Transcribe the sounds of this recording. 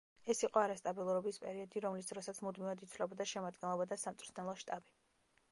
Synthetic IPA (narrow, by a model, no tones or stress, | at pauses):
ɛsiqʼɔaɾast̪ʼabilˠuɾɔbispʼɛɾiɔd̪iɾɔmlisd̪ɾɔsat̪sʰmud̪mivad̪it̪sʰvlɛbɔd̪aʃɛmad̪̚ɡɛnlˠɔbad̪asamt̪sʼuɾt̪ʰnɛlˠɔʃt̪ʼabi